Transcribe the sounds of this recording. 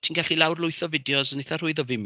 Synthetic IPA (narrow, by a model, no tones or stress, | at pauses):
tʰinɡaɬilawrlʊɨθɔvɪdjɔsəneθar̥ʊɨðɔvɪm